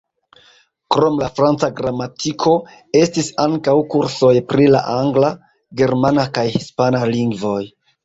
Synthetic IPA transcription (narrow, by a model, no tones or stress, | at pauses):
kɾo̞mlafɾant͡saɡɾamatʰikʰo̞ | e̞stisaŋkawkuɾso̞jpɾila̰ʔaŋɡla | ɡe̞ɾmanakajhispanaliŋɡvo̞j